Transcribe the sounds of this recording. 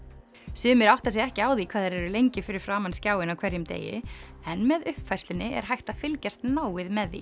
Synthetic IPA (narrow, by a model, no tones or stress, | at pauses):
sʏːmɪɾawht̪as̬ɛɣɛhcɪaːwðikʰv̥aːðɪɾɛɾʏlejɲcɪfɪɾɪɾ̥fɾaːmanscaːwɪnawkʰv̥ɛɾjʏmt̪ḛːjɪ̰ | ɛnmɛðʏhpfajst̪lɪnɪʔɛ̰ɾ̥ɦajht̪afɪlcɛr̥t̪naːwɪðmɛðːḭ